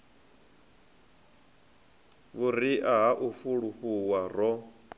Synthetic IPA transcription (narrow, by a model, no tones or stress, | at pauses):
βuriʔaɦaʔufuɺuɸuwarɔ